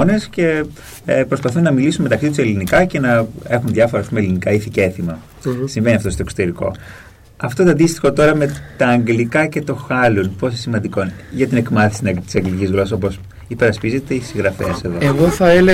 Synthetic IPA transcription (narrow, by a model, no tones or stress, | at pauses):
one̞sce̞ | pɾo̞spɐθunːɐmilisunme̞t̪ɐksit̪use̞linikɐce̞nɐe̞xunðʝɐfoɾɐːspumelinikɐiθiceθimɐ | siɱve̞niɐft̪o̞st̪okso̥t̪e̞ɾiko̞̰ | ɐft̪o̞t̪oɐnd̪ist̪i̥xo̞t̪o̞ɾɐme̞t̪ɐːŋɡlikɐce̞t̪o̞xɐlunpo̞s̬esimɐnd̪iko̞ʝɐt̪ine̞kmɐθisinɐkɾit̪isɐŋɡlicizɣlo̞sso̞po̞s | ipe̞ɾɐspize̞t̪e̞isiɣɾɐfe̞̰se̞ðoeɣoθɐele